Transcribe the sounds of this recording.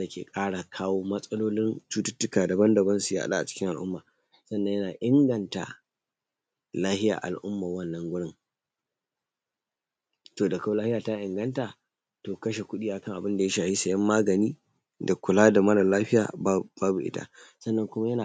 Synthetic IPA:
da˨kʲʰḛ˨kʼaː˦ɽa˨kʰaː˦woː˦mɐ˦sʼɐ˦loː˦lɪ˦nt͡ʃuː˦tʊ˦tːʊ˦kaː˨da˨bɐ˦ndɐ˨bɐ˦nsu˨ja̰˦ʔa̰˦ɗa̰˦ʔa˨t͡ʃɪ̥˦kʲɪ˦ŋʔa˨lʔʊ˦mːaː˨ | sɐ˦nːɐ̃˦jɐ˦naː˨ʔɪ˦ŋɡɐ˨nta̰˨ | laː˦hɪ˦ja̰ː˨ʔa̰˨lʔʊ˦mːa˨wɐ˦nːɐ˦ŋɡʷʊ˦ɽɪ˦ŋ | toː˨da˨ka˦wlaː˦hɪ˦jaː˨ta˦ʔɪ˨ŋɡɐ˦ntaː˨ | toː˨kɐ˦ʃe˨kʷʊ˦ɗiː˦ʔa˨kɐ˦ŋʔa˨bɪ˦nda˨ja˦ʃaː˨hi˦sɐ˨jɐ˦mːaː˦ɡɐ˨niː˦ | da˨kʷʊ˨laː˦da˨mɐ˦la˨laː˦ɸɪ˦ja̰ː˨bb̥aː˦bu˨ʔɪ̰˦ta̰˦sɐ˦nːɐ˦ŋkʷʊ˦ma˦jɐ˦naː˨

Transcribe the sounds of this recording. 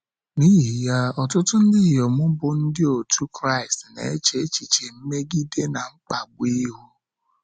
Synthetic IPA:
niː˦ɦi˨ja˦ɔ˨tʊ˦tʊ˦n̩˦dɪ˦˨jɔ˨mʊ˦bʊ˨n̩˦dɪ˦o˨tʰu˦kɾa˦˨ɪ˨stnḛ˨e˦t͡ʃe˨˦t͡ʃi˨t͡ʃe˨m̩˦me˦ɡi˦de˦na˨ŋ͡m̩˦k͡pa˨ɡ͡bʊ˦i˦ɦu˦

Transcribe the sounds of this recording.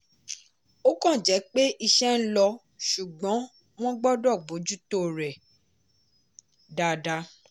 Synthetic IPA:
o˦kɔ̃˦˨d͡ʒɛ˨˦k͡pe˦ʔi˧ʃɛ˦n̩˦lɔ˧ | ʃu˨ɡ͡bɔ̃˨˦ | w̃ɔ̃˦ɡ͡bɔ˦dɔ˦˨ɡ͡bo˨˦d͡ʒu˦to˦˨ɾɛ˨ | da˨da˧˦

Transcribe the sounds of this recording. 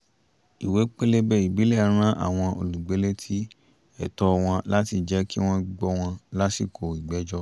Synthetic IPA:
i˨we˨˦k͡pe˦le˦bɛ˦˨i˨bi˨˦lɛ˦˨˦ɾ̃ã˦ʔa̰˦˨w̃ɔ̃˧o̰˧˨lu˨ɡ͡be˨˦le˦tʰi˦ | ɛ̰˨tɔ˧w̃ɔ̃˧la˦ti˧d͡ʒɛ˨˦ki˦w̃ɔ̃˦ɡ͡bɔ˧w̃ɔ̃˧la˦si˦˨kʰo˨i˨ɡ͡bɛ˨˦d͡ʒɔ˦

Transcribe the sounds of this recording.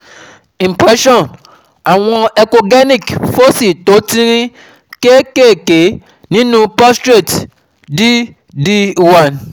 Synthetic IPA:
ĩ˨mpɾɛ˦ʃɔ˦˨n | a˨w̃ɔ̃˧ɛ˨ko˧ɡɛ˦nĩ˦˨kfo˦si˨t̪o˨˦tĩ˦ɾ̃ĩ˦ | ke˦ke˦˨ke˨˦ | nĩ˦nũ˦pɔ˦stɾe˦˨t | di˦ | di˦wa˦˨n

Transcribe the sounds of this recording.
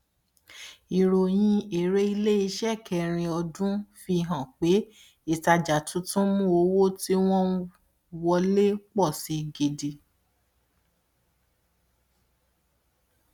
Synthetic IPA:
i˨ɾo˨j̃ĩ˧e˨ɾe˦i˧le˦i˧˦ʃɛ˦˨kʰɛ˧˨ɾ̃ĩ˧ɔ˧dũ˦fi˧ɦã˨k͡pe˨˦ | i˦˨ta˧d͡ʒa˨tũ˨˦tũ˦mũ˦o˧˦wo˦ti˦w̃ɔ̃˦ | wɔ˧le˦k͡pɔ˦˨si˨˦ɡe˧di˧

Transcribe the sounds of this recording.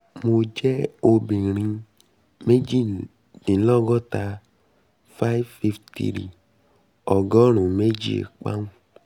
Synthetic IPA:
mo˧d͡ʒɛ˦o˧bi˨ɾ̃ĩ˧ | me˦d͡ʒi˦˨ | dĩ˨˦lɔ˦˨ɡɔ˦ta˧ | fa˦i˦vfi˦ftḭ˨ɾḭ˨ | ɔ˨ɡɔ˦ɾ̃ũ˨me˦d͡ʒi˦ḛ˨k͡pa̰˦nũ˦˨

